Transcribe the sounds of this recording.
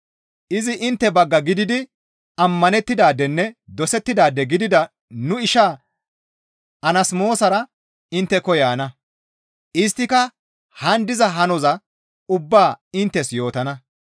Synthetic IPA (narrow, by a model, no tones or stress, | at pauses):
ʔɪzɪʔɪnt̪ːɛbɐɡːɐɡɪd̪ɪd̪ɪ | ɐmːɐnɛt̪ːɪd̪aːd̪ɛnːɛd̪ɔsɛt̪ːɪd̪aːd̪ːɛɡɪd̪ɪd̪ɐ | nʊɪʃaː | ɐnɐsmo̞ːsɐɾɐ | ɪnt̪ːɛkɔjaːnɐ | ʔɪs̬t̪ːɪkɐ | hɐnd̪ɪzɐɦɐnɔzɐ | ʊbːaːɪnt̪ːɛsjo̞ːt̪ɐnɐ